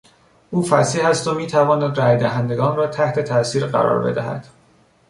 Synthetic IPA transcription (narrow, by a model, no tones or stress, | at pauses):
ʔuːfæsiːhæst̪omiːt̪ʰævɒːnæd̪ræːjd̪æɦænd̪e̞ɡɒːnrɒːt̪ʰæht̪ʰe̞t̪ʰæsiːɾɢæ̰ɾɒ̰ːɾbe̞̰d̪æhæ̰d̪̥